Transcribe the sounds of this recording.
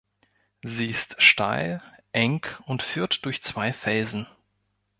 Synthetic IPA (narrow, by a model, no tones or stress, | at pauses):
ziːɪstʃta̰ɪlʔɛŋkʊntfyːɐtd̥ʊɐçt͡sv̥aɪfɛlzn̩